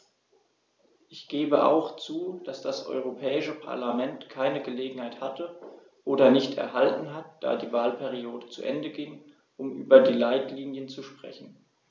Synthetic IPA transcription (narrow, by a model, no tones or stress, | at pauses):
ʔɪçɡ̥eːbəʔa̰ʊxt͡suːd̥asd̥asʔɔ̰ʏʁ̞opʰɛːɪʃəpʰa̰ɐlamɛntkʰaɪnəɡəleːɡŋ̩haɪthatʰə | ʔoːdɐnɪçtɛ̰ɐɦaltn̩ɦat̚d̥a̰ːdiːvaːlpʰɛʁioːdət͡sṵʔɛndəɡɪŋ | ʔʊmʔy̰ːbɐdiːlaɪtliːnjənt͡suʃpʁ̥ɛ̰çn̩